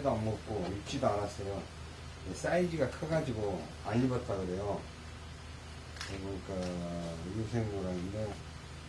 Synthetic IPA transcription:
edoamɡok͈oit͡ɕ͈idoaɾas͈ʌjo | nes͈aid͡ʑiɡakʰɯɡad͡ʑiɡo | aɲːibʌt͈̚ʰaɡɯɾejo | kɯɡɯnika | jusʰeŋɡoɾanɯnde

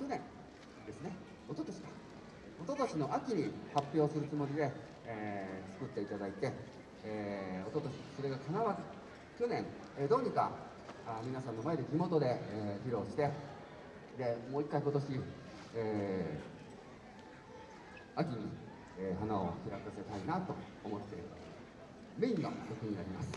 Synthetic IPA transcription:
kʲonẽ̞ŋ | d̪e̞sɨne̞ | o̞t̪ot̪oɕi̥kḁ | ot̪o̞t̪oɕino̞ʔakʲiɲ̟ihapːʲjo̞ːsɨɾɯ̟t͡sɨmo̞ɾʲid̪e̞ | t͡sɨ̥kɯ̟t̪ːe̞it̪ad̪ait̪e̞ | o̞t̪ot̪oɕi̥so̞ɾe̞ɡakʰanaβa | kʲo̞nẽ̞ŋ | ed̪o̞ːɲ̟ika | amʲinasãnːo̞mae̞d̪e̞ɡʲimo̞t̪o̞d̪e̞çiɾo̞ːɕi̥t̪e̞ | d̪e̞mo̞ːikːaiko̞t̪oɕi | e | akʲiɲ̟i | eɦanao̞̰çʲiɾakase̞t̪ainat̪o̞ː | mo̞t̪ːe̞ɾɯ | meiŋːo̰ɾʲokɯ̟ɲ̟inaɾʲimasɨ̥

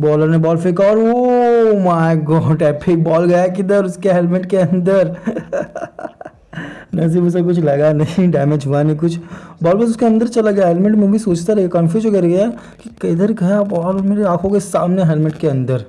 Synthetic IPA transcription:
bɔːləɾnebɔːlfɪkaɔːɾomaːɪɡɔːɖɛːpʰɪk̚bɔːlɡɐjak̬ɪd̪əɾʊskeɦɛːlmeʈkeɐ̃nd̪əɾ | nɐs̬iːbʊs̬ek̬ʊt͡ʃʰlɐɡanɐɦĩɖɛːmed͡ʒɦuanɦĩkʊt͡ʃʰbɔːlbɐsʊskeɐ̃nd̪əɾt͡ʃɐlaɡɐjaɦɛːlmẽɳʈmẽbʱisoːt͡ʃt̪aɾɐɡakɐ̃mfjuːzokɐɾɡɐja | kikɐɪd̪əɾɡɐjabɔːɾmeːɾeaːkʰõkesaːmneɦɛlmẽʈkeɐ̃nd̪əɾ

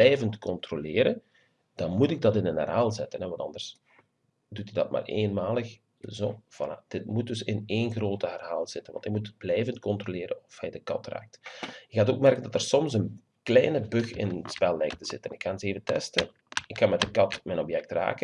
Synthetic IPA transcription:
bɛjvəntkɔntrolɪːɾə | d̥ɑnmutɪɡ̚dɑtɪnənə̰rɦaːlˠzɪtənɛʋɑntɑ̰ndərs | dutydɑ̰t̚ma̰ːrḛːnmaːlˠəx | zoːv̥ɑ̰na̰d̥ɪt̚mut̚dɵsɪneːnɣroːtəɦərɦaːlˠz̥ɪtənʋɑ̰ntɪk̚mutblɛjvəntkɔntrolɪːɾənɔfhɛjdəkɑ̰tra̰ːk̚tɪkxaːtoːk̚mɛrkəndɑtərsɔmsən | klɛjnəbɵxɪ̰nəspɛlˠlɛjk̚təz̥ɪtənɪkxaːnɪseːvəntɛ̰stə | ɪkxɑnmɛt̚dəkɑtmɛnɔpjɛk̚tra̰ːkə

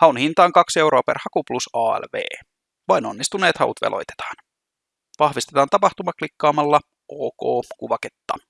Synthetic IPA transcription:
hɑunhint̪ɑːŋkɑkse̞wɾo̞ːpeɾhɑkuplusɑːḛlʋe̞̰ː | ʋɑjno̞̰nːist̪unːe̞ːt̪hɑ̰ṵt̪ʋḛlʔo̞̰jt̪e̥t̪ɑ̥ːn | ʋɑhʋist̪e̞t̪ɑːnt̪ɑpɑht̪umɑklikːɑːmɑlːɑ | ʔoːko̞ːkuʋɑket̪ːɑ̰

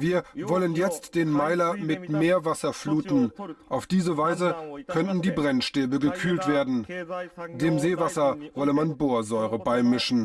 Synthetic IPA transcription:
viːɐvɔlənjɛt͡std̥eːnmaɪlɐmɪtmeːɐvasɐfluːtn̩ʔaʊfd̥iːzəvaɪzəkʰœntn̩diːbʁɛnʃteːbəɡəkʰyːltv̥eːɐdn̩ | deːmzeːvasɐvɔləmanboːɐzɔʏʁəbaɪmɪʃn̩

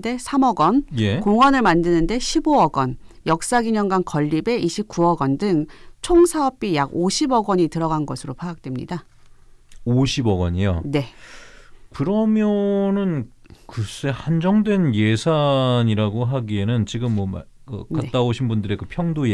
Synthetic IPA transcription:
de̞sʰamʌɡʌnjekoŋwʌnɯɭmandɯnɯnde̞ɕʰiboʌɡʌn | jʌk̚s͈aɡiɲʌŋɡwankʌʎːibe̞ʔiɕʰip̚k͈uʌɡʌndɯŋt͡ɕʰoŋsʰaʌp̚p͈ijaɡoɕʰibʌɡʌɲitɯɾʌɣanɡʌsʰɯɾopʰaak̚t͈we̞mɲḭda | oɕʰibʌɡʌ̰ɲijo̰ne̞ | kɯɾʌmjʌnɯn | kɯs͈ehand͡ʑʌŋdwe̞njesʰaɲiɾaɡoɦaɡienɯnt͡ɕiɡɯmːʌma̰ | kɯ̰kaett͈aoɕʰinbundɯɾekɯpʰjʌŋdoe

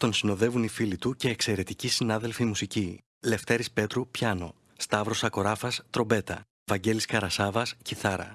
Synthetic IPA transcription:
t̪o̞nsino̞ðe̞vunifilit̪uce̞ːkse̞ɾe̞t̪icisinɐðe̞lfimusici | le̞ft̪e̞ɾispe̞t̪ɾupçɐno̞ | st̪ɐvɾo̞sɐko̞ɾɐfɐst̪ɾo̞be̞t̪ɐ̰ | vɐɲɟe̞liskɐɾɐsɐvɐsciθɐɾɐ̰

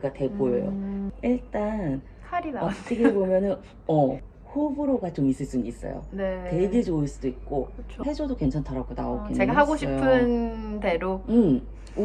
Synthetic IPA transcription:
ɡate̞bojʌjo̰iɭt͈anʰ | aɾiʌtʰɯɡebomjʌnɯn | ʌ | ɸobɯɾoɡat͡ɕomis͈ɯɭs͈uniis͈ʌ̰jo̰nete̞ɡed͡ʑoɯɭs͈udoik̚k͈oɯt͡ɕʰohe̞d͡ʑodoke̞nt͡ɕʰantʰaɾaɡoda̰okeeɡaɦaɡoɕʰipoɯnteɾoɯm

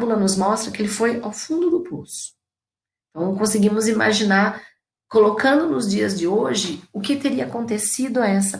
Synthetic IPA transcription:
bulɐnʊzmɔst̪ɾɐkɪelɪfojawfũnd̪ʊd̪ʊpʰosʊ̥ | ẽnt̪ɐ̃w̃kõsɪɡĩmʊzima̰ʒinaɾ | kolokɐ̃nd̪ʊnʊzd͡ʒiɐzd͡ʒɪoʒɪʊkɪt̪eɾiɐakõnt̪esid̪ʊɛsɐ

